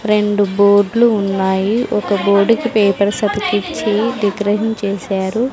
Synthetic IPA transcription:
ɾe̞ɳɖuboːɾɖluːnːaːjiʔɔkɐboːɾɖkipeːpɐɾsɐd̪ɐkit͡ʃːiɖiɡɾɐʃɐnt͡ʃeːsaːɾu

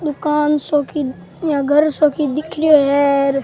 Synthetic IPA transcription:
d̪ʊkaːnsoːkʰi | jãːɡʱəɾsoːkid̪ɪkʰɾɪjoːɦɛːɾ

